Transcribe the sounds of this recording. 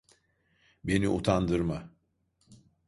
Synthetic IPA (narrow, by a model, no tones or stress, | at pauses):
be̞niut̪ʰand̪ɯɾma